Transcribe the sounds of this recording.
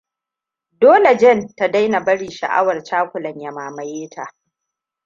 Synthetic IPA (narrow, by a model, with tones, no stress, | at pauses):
doː˦le˨d͡ʒɛ˦˨nta˨da˦jna˨bɐ˦ɽiː˨ʃa̰˨ʔa̰˦wɐ˨rt͡ʃaː˦kʷʊ˨lɐ˨ɲja˨maː˨mɐ˨jeː˦tʰa˨ʔ